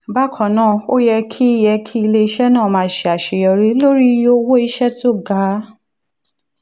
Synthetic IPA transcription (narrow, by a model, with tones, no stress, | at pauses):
ba˦kʰɔ̃˨nãː˦˨o˦jɛ˧kʰi˦i˧˦jɛ˧kʰi˦i˧le˧i˧ʃɛ˦nãː˦˨mãː˧˦ʃe˨a˨ʃe˨jɔ˧ɾi˨˦lo˦ɾi˦jo˦wo˦i˦ʃɛ˦tʰo˦˨ɡa˨˦